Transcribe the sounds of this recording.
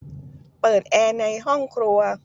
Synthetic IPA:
pɤː˨˩t̪̚ʔɛː˧na˧jɦɔ˥˩ŋkʰɾu˧ɐ

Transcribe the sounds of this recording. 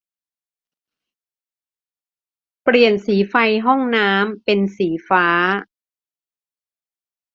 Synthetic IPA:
pɾi˨˩ənsiː˩˦fa˧jɦɔ˥˩ŋnaː˦˥mpe˧nsiː˩˦faː˦˥

